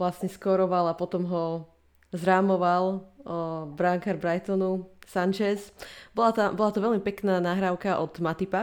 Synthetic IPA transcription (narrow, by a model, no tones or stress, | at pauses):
ʋlasɲɛskɔɾɔʋalapɔt̪ɔmɦɔ | zɾaːmɔʋal | bɾaŋkaɾbɾajt̪ɔnusant͡ʃɛsbɔlat̪abɔlat̪ɔʋɛʎmipɛknaːnaɦɾaʊkaʔɔd̪̥mat̪ipa